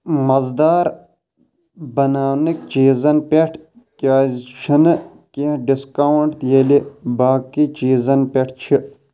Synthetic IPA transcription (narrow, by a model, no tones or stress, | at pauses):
mɐzd̪aːɾ | bɐnaːnik̚t͡ʃiːzɐnpʲeʈʰ | kʲaːzt͡ʃʰinɨ | keɖiskawɳʈt̪jelibaːkit͡ʃiːzɐnpeʈʰt͡ʃʰi